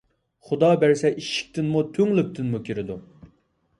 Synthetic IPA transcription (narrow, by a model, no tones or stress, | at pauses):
χʊd̪ɑbæɾsɛʔiʃi̥k̚ʲt̪ʰɪnmut̪ʰøŋlyp̚t̪ʰɪnmukʲʰeɾɪd̪u